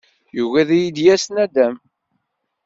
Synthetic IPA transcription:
juɣæðæjid̪jæsnæd̪æm

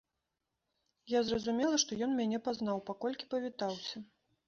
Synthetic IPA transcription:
jazrɐzumʲɛlˠɐʂt̪ɔjɔnmʲanʲɛpazn̪awpakɔlʲkʲi̥pɐvʲit̪awsʲɐ

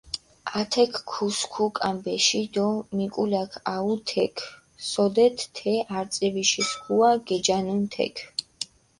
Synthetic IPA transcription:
at̪ʰɛkʰkʰːuskʰukʼambɛʃid̪ɔnikʼulakʰaut̪ʰɛkʰ | sɔd̪ɛt̪ːʰɛaɾt̪sʼɛviʃiskuaɡ̥ɛd͡ʒanunt̪ʰɛ̰kʰ

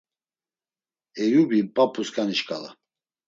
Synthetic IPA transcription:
ɛjubipʼapʰʼuskʰʼaniʃkʼala̰

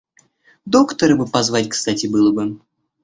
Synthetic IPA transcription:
d̪o̞kt̪əɾəbɨpɐzvatʲkst̪atʲɪbɨlˠəbɨ

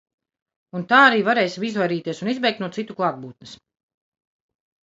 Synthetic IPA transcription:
unt̪aːaɾiːvaɾɛːjsimizvajɾiːt̪iɛsunizbɛjk̪̚nuɔt̪sit̪ːuklˠaːɡ̚buːt̪nɨs

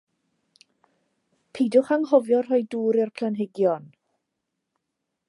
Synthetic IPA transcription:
pʰidʊχaŋɦɔvjɔrɦɔjduːɾɪrpʰl̥ˠanɦɪɡjɔn

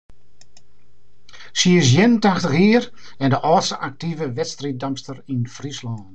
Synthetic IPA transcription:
siəs̬jɛnəntaxtəxiərɛndəʔɔːsəʔak̚tivəʋɛtstrit̚dɔmstərinfrislɔːn

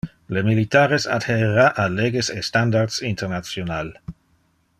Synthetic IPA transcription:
lemilitaːɾesa̰dheeʁaʔaleɡesestandaʁd̪sinteʁnat͡sjonal

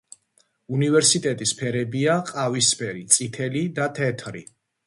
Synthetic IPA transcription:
univɛɾsit̪ʼɛt̪ʼispʰɛɾɛbiaqʼavispʰɛɾit̪sʼit̪ʰɛlid̪at̪ʰɛt̪ʰɾḭ

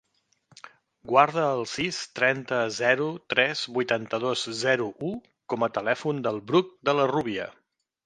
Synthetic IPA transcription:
ɡwaɾð̞əːlˠsist̪ɾɛnt̪əzɛɾut̪ɾɛz̥βujt̪ant̪əð̞ozzɛɾuʔu | kɔmət̪əlɛfund̪əlˠβɾuk̚d̪ələruβiə̰

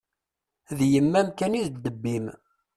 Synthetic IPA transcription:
ðjəmːæmkæniðd̪əbːim

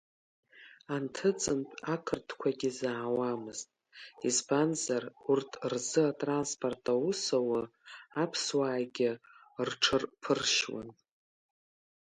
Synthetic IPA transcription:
antʰɨt͡sʼɨntʼakʰɨrtʰkʷʰaɡʲɪzaːwamɨztʼ | izbanzarurtʰrzɨatʼranspʰʼortʰʼawusowaapʰswaːɡʲɪ | rʈ͡ʂʰɨrpʰɨrʃwa̰n

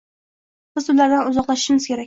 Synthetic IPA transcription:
sɪzʊlaɾd̪anʊzɒqlˠaʃɪ̥ʃɪmɪz̥kʲe̞ɾak̚ʲ

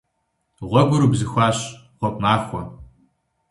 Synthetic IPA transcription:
ʁʷɔɡʷʊɾuːbzɨxʷaːɕ | qʷɔp̚maːxʷɔ

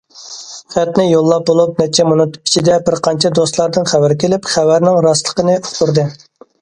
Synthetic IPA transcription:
χæt̪nɪjolˠːɑp̚bolˠup̚nɛt͡ʃʰɛmonɨt̪ʰʊ̥pi̥t͡ʃʰid̪ɛbɪɾqʰɑnt͡ʃʰɛd̪ost̪lˠɑɾd̪ɨnχævɪɾkʲelɪpχævæɾnɪŋɾɑslˠəqənɨoχt̪uɾd̪ɨ

